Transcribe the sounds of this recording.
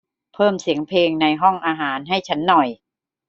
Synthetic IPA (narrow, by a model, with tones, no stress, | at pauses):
pʰɤː˥˩msi˨˩˦əŋpʰeː˧ŋna˧jɦɔ˥˩ŋʔaː˧ɦaː˩˦nɦa˥˩jt͡ɕʰa˦˥nːɔ˨˩j